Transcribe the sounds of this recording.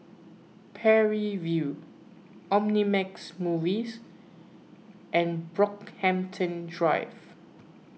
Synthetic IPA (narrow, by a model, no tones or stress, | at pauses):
pʰɛɹivju | ɔ̃mnimɛksmuvis | ʔɛ̃nbɹɔkhɛ̃mtʰə̃ndɹaɪv